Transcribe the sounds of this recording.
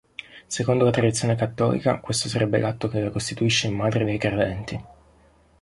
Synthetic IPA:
sekond̪olat̪ɾad̪it̪sjonekat̪ːɔ̰ːlḭka̰kwest̪osaɾʔɛbːḛlat̪ːokelakost̪it̪uiʃːeimːaːd̪ɾed̪ejkɾed̪ɛnt̪i

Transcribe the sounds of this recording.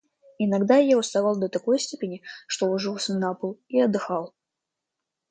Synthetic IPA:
ɪnɐɡd̪ajaʊst̪ɐvɑlˠd̪ət̪ɐko̞jsʲtʲepʲɪnʲɪʂt̪oʊʐɨlˠsʲnapəlˠiɐd̪ːɨxalˠ

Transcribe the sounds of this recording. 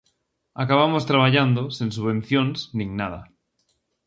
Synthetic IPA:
akaβ̞amost̪ɾaβ̞aʎand̪osinsuβẽ̞nθjõnsnĩŋnað̞a

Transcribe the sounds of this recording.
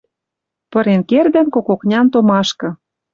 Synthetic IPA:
pɤ̆ɾenkerd̪ə̆nkokoknʲɑnt̪omɑʃkɤ̆

